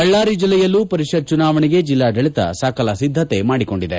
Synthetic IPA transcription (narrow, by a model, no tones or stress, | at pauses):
ɐɭːaːɾid͡ʒilːɛjɐlːuːpɐɾiʂɐd̪̚t͡ʃunaːʋɐɳiɡe̞d͡ʒilːaːd̪ɐɭit̪ɐ̰saːkʰɐlɐsid̪ʱːɐt̪e̞maːɽiko̞ɳɖid̪e